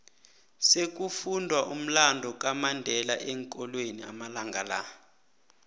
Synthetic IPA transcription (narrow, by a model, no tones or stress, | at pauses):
sek̬ʼufundʱwaʔum̩landʱɔk̬ʼamandʱɛlaʔɛŋkʼɔlwenia̰malaŋɡʱala̰